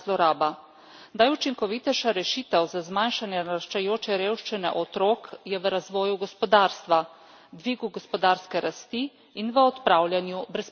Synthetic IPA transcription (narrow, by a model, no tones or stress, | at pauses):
lɔɾaːba | najut͡ʃiŋkɔʋit̪ɛʃaɾɛʃiːt̪əwzazmanʃanjɛnɾaʃt͡ʃajoːt͡ʃɛɾeːwʃt͡ʃinɛ̰ʔɔt̪ɾoːkjɛʋəɾazʋɔːjuɡɔspɔd̪aːɾst̪ʋa | d̪ʋiːɡuɡɔspɔd̪aɾskɛɾast̪iː | nʋəɔt̪pɾaːwlʲjanjubɾɛs